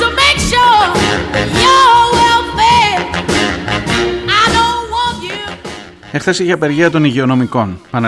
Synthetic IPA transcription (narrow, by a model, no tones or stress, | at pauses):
təmeɪkʃuɹ | jəwɛlbe | aɪdõʊ̃nwɑ̃ntju | exθɐsiçeɐpe̞ɾʝiɐt̪o̞niʝeo̞no̞miko̞npɐne